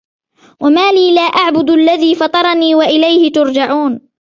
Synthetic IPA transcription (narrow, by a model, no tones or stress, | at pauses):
wamaːliːlaːʔaʕbʊd̪alːaðiːfɑt̪ˤɑɾˤɑniːwaʔɪlajhɪt̪ʊɾd͡ʒaʕuːn